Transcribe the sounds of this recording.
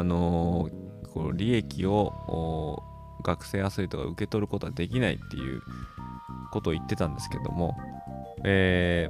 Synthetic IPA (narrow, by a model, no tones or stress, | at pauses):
no̞ | kʰoɾʲie̞kʲio̞oː | ɡakɯ̟̥se̞ːasɨit̪o̞ka̰ɯ̟ke̞t̪o̞ɾɯ̟ko̞t̪oad̪e̞kʲinaḭt̪ːe̞̰jɯ̟̰ː | ko̞t̪o̞ːit̪ːe̞t̪ãnd̪e̞sɨ̥ke̞d̪o̞̰mo̞ | eː